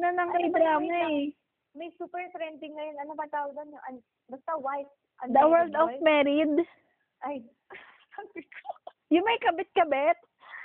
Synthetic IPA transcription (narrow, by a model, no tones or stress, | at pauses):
nɐnɐŋɡajd̪ɐlamɛɛ | mɐjsuːpɛɹfɾɛnt̪ɪŋːɐjonɐnopɐɡt̪aːwɐɡ̪ɐnːoʔɐn | bɐst̪ɐwajt̪̚ | ʔɐnd̪ɐwɛld̪ɔmɛːɾɪd̪ | ʔaj | ɐbɪt̪̚kʰo | jʊŋmɐjkɐbɪt̪̚kɐbɛt̪̚